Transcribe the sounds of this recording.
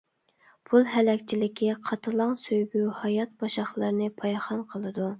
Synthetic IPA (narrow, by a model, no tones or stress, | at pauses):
pʰulˠɦɛlɛkʲt͡ʃʰilɪkʲʰiqʰɑt̪ʰɨlˠɑŋsøjɡʲyhɑjɑt̪̚bɑʃɑχlˠɨɾnɨpʰɑjχɑnqʰəlˠɨd̪u